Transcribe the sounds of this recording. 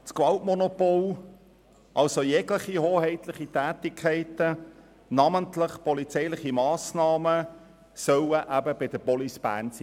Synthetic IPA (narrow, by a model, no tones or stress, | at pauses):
skwɑltmɔnopol | ʔɑlsojɛɡlɪχihoːhɛɪtlɪχitæːtɪkʰχæɪtə | nɑməntlɪχpɔlit͡sɛɪlɪχimɑːsnɑːmə | sœwəʔæbəbɪd̥əbɔlisb̥æ̰ːnsi